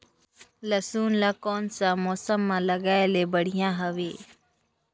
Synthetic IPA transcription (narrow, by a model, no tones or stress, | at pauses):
ləsuːnlaːkoːnsãːmoːsəmːãːləɡaːeleːbəɽ̤ɪjãːɦəʋeː